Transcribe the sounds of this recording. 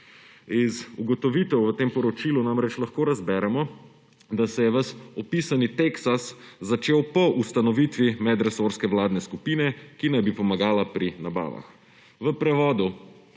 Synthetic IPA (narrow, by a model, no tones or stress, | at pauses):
izuɡɔt̪ɔʋit̪ɛwʋət̪eːmpɔɾɔt͡ʃiːlunamɾɛt͡ʃlaxkoːɾazbɛɾɛmɔ | d̪asɛjɛʋɐsɔpisanit̪eksaszat͡ʃeːwpɔʔust̪anɔʋit̪ʋimɛd̪ɾɛsoɾskɛʋlaːd̪nɛskupinɛkinajbipɔmaɡaːlapɾinaba̰ːʋa̰x | ʋəpɾɛʋɔːd̪u